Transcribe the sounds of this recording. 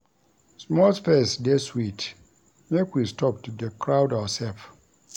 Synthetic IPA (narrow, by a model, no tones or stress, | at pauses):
smɔlspesdeswit | mekwistʰɔp̚tdəkɹawdawəsɛlf